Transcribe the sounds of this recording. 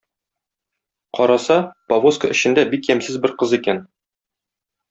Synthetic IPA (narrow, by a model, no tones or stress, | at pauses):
qɒɾɑsɑpɐvoskəɵ̆ɕɘ̆nd̪æbikjæmsɘzbɘɾqɤzikæn